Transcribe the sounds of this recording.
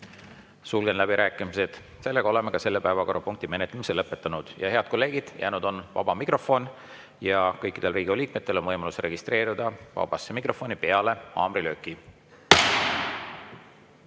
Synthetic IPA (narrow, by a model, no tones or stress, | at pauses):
sulɡ̥enlæb̥iɾæːkːˑimise̞d̪̥ | se̞lːeɡ̥ɑo̞le̞mekɑse̞lːepævɑko̞rːɑpuŋk̚t̪ime̞net̪lemiselɤpːˑe̞t̪ːˑɑnud̪̥jɑhe̞ɑd̪̥ko̞lːe̞ːɡ̥id̪̥jæːnud̪̥o̞nvɑ̰b̥ɑmikro̞fo̞n | jɑkɤjkːˑid̪̥e̞lriːɡioliːk̚me̞t̪ːelonvɤjmɑlusre̞ɡist̪re̞ːɾid̪̥ɑvɑ̰b̥ɑsemikro̞fo̞nipe̞ɑle̞ɑ̰ːmrilø̞ːkːˑi